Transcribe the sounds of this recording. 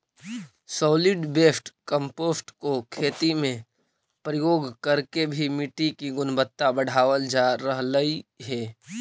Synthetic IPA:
sɔːlɪɖbeːsʈkə̃mpoːsʈkokʰeːt̪imẽ | pɾəjoːɡkəɾkebʱimɪʈikiɡʊnbət̪ːabəɽ̤aːʋəld͡ʒaɾəɦləiɦɛː

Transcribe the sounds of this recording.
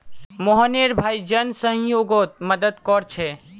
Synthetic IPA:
moɦəneɾbʱaːid͡ʒənsə̃ɦjoːɡot̪̚məd̪əd̪kɔɾt͡ʃʰe

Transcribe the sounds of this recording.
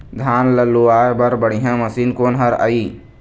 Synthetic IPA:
d̪ʱaːnləlːuaːebəɾbəɽ̤iɦãməsiːnkoːnɦəɾa̰i

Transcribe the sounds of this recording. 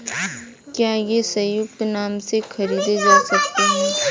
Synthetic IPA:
kjaːjesɐjʊk̚t̪naːmsekʰɐɾiːd̪ed͡ʒaːsɐkt̪eɦɛː

